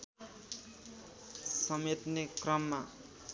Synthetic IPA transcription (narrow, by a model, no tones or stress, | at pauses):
sʌmet̪nekrʌmːa